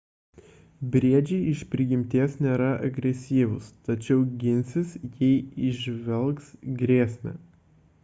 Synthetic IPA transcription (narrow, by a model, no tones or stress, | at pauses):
bʲɾʲiɛd͡ʒʲɛɪɪʃʲpʲɾʲɪɡʲɪmʲt̪ʲiɛsnʲeːɾɐʔɐ̰ɡɾʲɛsʲiːʋʊst̪ɐt͡ʃʲɛʊɡʲɪnʲsʲɪsjɛɪɪʒʲʋʲɛlˠksɡɾʲeːsʲmʲɛ̰